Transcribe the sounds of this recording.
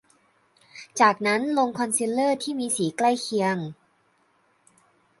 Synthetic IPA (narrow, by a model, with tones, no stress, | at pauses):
t͡ɕaː˨˩k̚na˦˥nlo˧ŋkʰɔ˧nsi˧˥lːɤː˥˩t̪ʰiː˥˩miː˧siː˩˦kla˥˩jkʰi˧əŋ